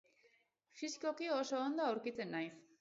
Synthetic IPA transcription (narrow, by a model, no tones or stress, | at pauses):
fiskokiosoond̪oawɾkit͡s̪enːajs